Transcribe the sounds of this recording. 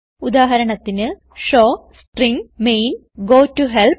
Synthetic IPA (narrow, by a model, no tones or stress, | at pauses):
ud̪aːɦɐɾɐɳɐt̪ːinɨ | ʂoː | sʈriŋmejn | ɡoːʈːuɦel